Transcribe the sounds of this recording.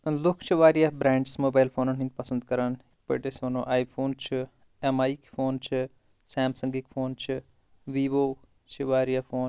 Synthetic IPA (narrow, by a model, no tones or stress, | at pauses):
lʊkʰt͡ʃʰʋaːɾijaːbɾɛ̃ːɳɖsmoːbaːjlpʰoːnɐnɦĩnd̪̚pɐsə̃nd̪̚kəɾən | pə̰ːʈesʋɐno̰ːʔaːipʰoːnt͡ʃʰ | ɛmaːikpʰoːnt͡ʃʰ | sɛ̃ːmsə̃ŋɡikpʰoːnt͡ʃʰ | ʋiːʋoː | t͡ʃʰəʋaːɾijaːpʰoːn